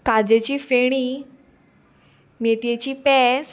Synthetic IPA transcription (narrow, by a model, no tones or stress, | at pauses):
kad͡ʑet͡ɕiːfeɽ̃iː | meʈ̪jet͡ɕiːpɛs